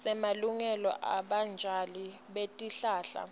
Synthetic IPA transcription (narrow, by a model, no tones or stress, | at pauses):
sɛmaluŋɛlɔ̰ʔaɓand͡ʒʱali | ɓetʼiɬaːɬa̰